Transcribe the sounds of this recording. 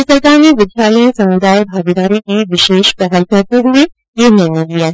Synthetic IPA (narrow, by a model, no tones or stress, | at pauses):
səɾk̪aːniʋɪd̪ʱjaːləjẽsɐmud̪aːjbʱaːɡid̪aːɾikiʋɪʃeːʃpɛɦəlkəɾt̪eɦue | jenɛnət̪lijaɦ